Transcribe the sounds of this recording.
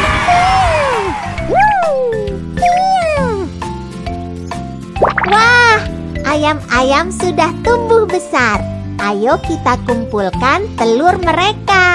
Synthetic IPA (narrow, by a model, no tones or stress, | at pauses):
i | w | i | wah | ʔajamajamsudaht̪umbʊhbəsar | ʔajokit̪akumpulkant̪əlʊrməɾeka